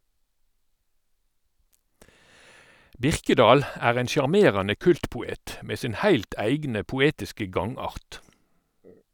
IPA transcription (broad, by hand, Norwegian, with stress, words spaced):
ˈbɪʁkəˌdɑːl ˈæːʁ ˈeːn sjɑʁˈmeːʁɑnə ˈkʉltpʊˌeːt ˈmeː ˈsɪn ˈhæɪlt ˈæɪɡnə pʊˈeːtɪskə ˈɡɑŋˌɑʁt